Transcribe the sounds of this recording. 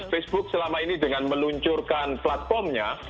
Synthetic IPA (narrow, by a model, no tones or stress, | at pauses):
fɛsb̥ʊk̚səlamainidəŋanməluɲt͡ʃʊrkanplat̪̚fɔrmɲa